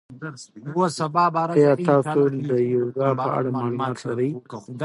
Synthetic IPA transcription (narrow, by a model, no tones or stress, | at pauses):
osabɑbjɑt̪ɑt̪old̪əjowɡɑpəa̰ɽamɑlumɑt̪laɾəj